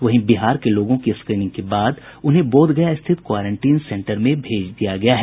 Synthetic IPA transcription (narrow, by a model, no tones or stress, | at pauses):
ʋɐɦĩbɪɦaːɾkeloːɡõkiskɾiːnɪ̃ŋɡ̚kebaːd̪ʊnɦẽboːd̪ɡɐjaɪst̪ʰɪt̪kwaːɾə̃ɳʈiːnsɛ̃ɳʈəɾmẽbʱeːd͡ʒd̪ijaɡɐjaɦɛ